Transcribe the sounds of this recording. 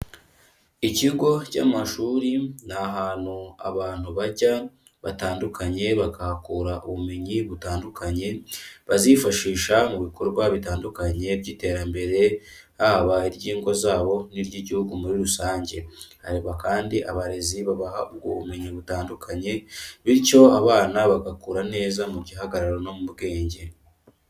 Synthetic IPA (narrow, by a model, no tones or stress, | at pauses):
iciɡo̞ca̰ːmaʃuːɾinaɦaːn̥hua̰βaːn̥huβaɟa | βataːndukʰaɲe̞βaɡahakuɾaʔuβume̞ɲiβutaːndukʰaɲe̞βazifaʃiːʃamuβiko̞ɾɡwaβitaːndukaɲe̞bɟiːte̞ːɾambe̞ɾe̞ | haβaiɾɟiːŋɡo̞zaːβo̞niɾɟiɟihuɡumuɾiɾusaːɲɟe̞ha̰ɾiβakaːndiʔaβaɾe̞ziβaβahaub̚ɡo̰βume̞ɲiβutaːndukʰaɲe̞βiɾco̞aβaːnaβaɡakuːɾane̞ːzamuɟiɦaɡaɾaɾono̞muβɡe̞ːɲɟe̞